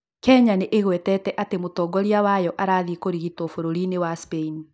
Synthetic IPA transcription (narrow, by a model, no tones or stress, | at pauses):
kɛɲaneʔeɣwɛtɛtɛʔatemotɔɡɔɾiawajɔʔaɾaːðikoɾiɣitwɔfoɾoɾinewaspein